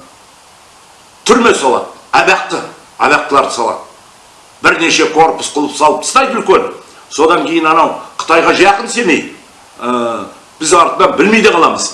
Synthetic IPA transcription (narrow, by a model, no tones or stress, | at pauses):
t̪ʰʏlme̞sɑlˠɑ̰d̪æbeq̚t̪ə | æbeq̚t̪əlˠɑɾd̪əsɑlˠɑ̰d̪ə | bɪɾne̞ʃe̞kʰo̞ɾpʊ̥sqʰʊlˠəpsɑlˠəpt̪ʰst̪ɑjd̪əʏlkʲe̞n | so̞d̪ɑŋkʲʰe̞jɪnɑnɑwqʰə̥t̪ɑjʁɑʒjɑqənse̞me̞j̪ | ə | b̥ɪzɑɾt̪əd̪ɑbɪlmejd̪eqʰɑlˠɑməz̥